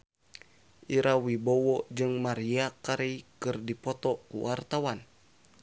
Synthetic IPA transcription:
ʔiɾawibɔwɔd͡ʒɨŋmaɾiakaɾikɨrdipɔt̪ɔkṵwart̪awan

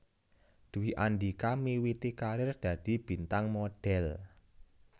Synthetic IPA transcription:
d̪̥uwiʔand̪ikamiwit̪ikaɾɪrd̪̥ä̤d̪̥i̤b̥i̤nt̪aŋmɔd̪̥ɛl

